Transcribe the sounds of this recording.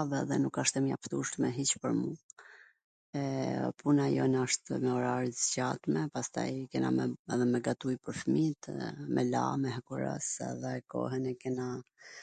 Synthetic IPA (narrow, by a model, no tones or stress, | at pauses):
vɛðɛnukaʃt̪ɛmja̰ft̪uʃt̪mɛɦit͡ɕpəɾmu | ɛpunajɔ̰naʃt̪mɛɔɾaɾizt͡ɕat̪mɛpast̪a̰jkɛnamɛɛðɛmɛɡat̪ujpəɾfmit̪mʔɛla̰mɛɦɛkuɾɛ̰sɛ̰ðɛkɔ̰ɦɛnɛkɛna